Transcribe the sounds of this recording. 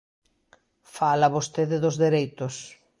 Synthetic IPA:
falɐβost̪eðɪðʊzðeɾejt̪ʊs

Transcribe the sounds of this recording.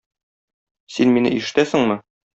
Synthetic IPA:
sinminɘ̰iʃɘ̆t̪æsɘ̆ŋmɘ

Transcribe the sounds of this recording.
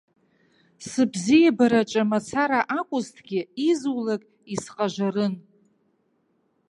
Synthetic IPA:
sɨbzijabaɾat͡ʃʼamat͡sʰaɾaʔakʷʼʊztʰɡʲɪizwlakʼ | isqʼaʒʷarɨn

